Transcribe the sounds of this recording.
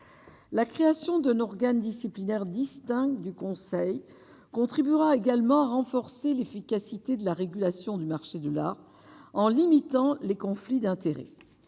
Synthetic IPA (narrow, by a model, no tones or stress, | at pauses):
lakχeasjɔ̃d̪ɛ̃nɔʁɡand̪isiplinɛʁd̪ist̪ɛ̃kd̪ykɔ̃sɛj | kɔ̃t̪χibyʁaeɡalmɑ̃aʁɑ̃fɔʁselefikasit̪ed̪əlaʁeɡʲylasjɔ̃d̪ymaʁʃed̪əla̰ʁ | ɑ̃limit̪ɑ̃lekɔ̃flid̪ɛ̃t̪eʁḛ